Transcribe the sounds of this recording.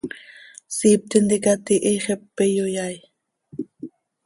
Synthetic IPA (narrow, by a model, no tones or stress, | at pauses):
siːp̚t̪ind̪ikat̪iʔiχepːejojaj